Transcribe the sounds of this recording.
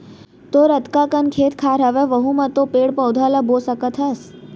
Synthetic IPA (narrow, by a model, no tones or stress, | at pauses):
t̪oɾət̪kakənkʰet̪kʰaɾɦəʋeʋəɦũmãt̪opeɽpəwd̪ʱaləbosəkət̪ʰɦəs